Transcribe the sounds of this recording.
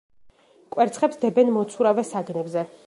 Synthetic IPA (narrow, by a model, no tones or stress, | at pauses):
kʼwɛɾt̪sʰχɛpsd̪ɛbɛnmɔt̪sʰuɾavɛsaɡnɛbzɛ